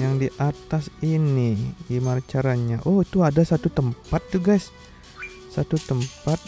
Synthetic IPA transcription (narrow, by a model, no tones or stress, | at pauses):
jaŋdiʔat̪asinidimaɾt͡ʃaɾaɲaʔohit̪uadasat̪ut̪əmpat̪̚d͡ʒuɡajs | sat̪ut̪əmpat̪̚